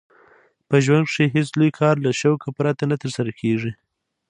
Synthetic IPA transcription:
pəʒwaŋɡʂeɦeslujkʰɑɾlaʃawkapɾɑt̪anat̪əɾsaɾakʰeʐi

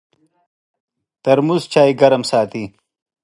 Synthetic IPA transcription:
t̪ɐɾmuzt͡ɕaːjɡɐɾɐmsaːt̪i

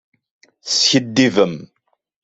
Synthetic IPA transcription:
sçəd̪ːivəm

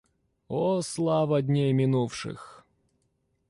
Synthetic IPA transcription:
oslˠavɐd̪ʲnʲejmʲɪnufʂɨ̰x

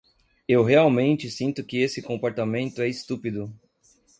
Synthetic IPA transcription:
ewɦeawmẽnt͡ʃɪsĩnt̪ʊkɪesɪkõmpoɾt̪amẽnt̪ʊɛɪst̪upid̪ʊ

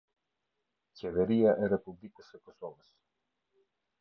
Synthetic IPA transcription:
cɛvɛɾiaʔɛrɛpublikəsɛkɔsɔvəs

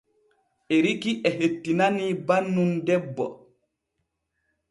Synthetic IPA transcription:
ʔeɾikiʔɛɦetːinanibanːundɛbːɔ̰

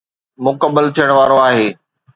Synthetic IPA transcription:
mʊkəbːəlt̪ʰijəɽ̃ʋaːɾoaːɦeː

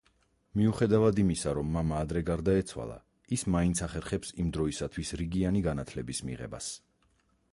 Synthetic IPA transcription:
miuχɛd̪avad̪imisaɾɔmːamaːd̪ɾɛɡaɾd̪aɛt̪sʰwa̰lˠa̰ | ismaint̪sʰaχɛɾχɛpsimd̪ɾɔisat̪ʰwisɾiɡianiɡanat̪ʰlɛbismḭʁɛ̰ba̰s

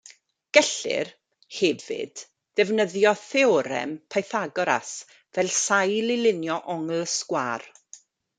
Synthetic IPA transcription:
ɡ̥ɛɬɪ̰r | hɛvɪ̰d̥ː | ɛvnəðjɔθɛɔɾɛ̰mpʰajθaɡɔɾa̰s | vɛlˠsajlɪlɪnjɔʔɔŋlˠsɡ̥wa̰ːr

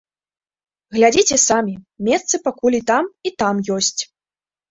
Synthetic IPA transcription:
ɣlʲad͡zʲit͡sʲɛsamʲimʲɛssɨpakulʲit̪amit̪amjɔsʲt͡sʲ

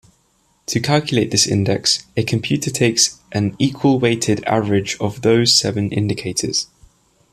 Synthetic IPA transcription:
tʰəkʰalˠkjəleɪʔðɪsɪ̰̃ndɛ̰ksəkʰə̃mpʰj̥ʉˑtʰətʰeɪksʔə̃niˑkʰwəlˠweɪtʰɪda̰vəɹɪd͡ʒəvðəʊz̥sɛvə̃nʔɪ̰̃ndɪkʰeɪtʰə̰z̥

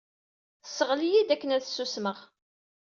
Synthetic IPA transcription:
sːəʁlijid̪ækːənæðsːusməʁ

